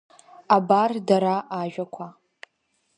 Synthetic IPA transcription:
abardaɾaʔːʒᶣakʷʰa

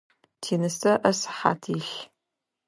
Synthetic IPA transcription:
tʰiːnɨstʰɐʔɐsħa̰ːtʰiːɬ

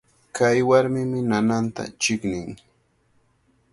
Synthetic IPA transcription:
kajwaɾmɪmɪnanant̪a̰t͡ʃɪknɪŋ

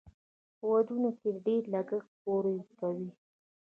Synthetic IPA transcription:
wad̪unokeɖeɾlaɡəxpoɾəjkawi

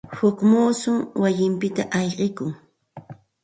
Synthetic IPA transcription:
hʊkmuːsʊŋwajɪmpɪt̪aʔɑʎqɪkʊŋ

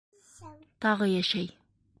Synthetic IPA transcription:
t̪ʰɑʁəjaʃæj

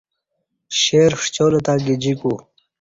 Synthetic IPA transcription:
ɕeɾʂt͡ɕoːlɐt̪aːɡid͡ʑiku

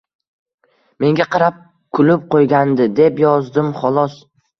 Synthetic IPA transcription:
me̞ŋɡʲaqʰɑɾap̚ | kʰʊlɪp̚qʰojɡʲand̪ɪd̪e̞pjɒzd̪ɪmχɒlˠɒs

